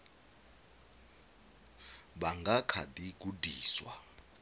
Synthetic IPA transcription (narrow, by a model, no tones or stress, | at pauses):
ɓaŋɡʱakʰa̰dʼik̬udʱiːswa̰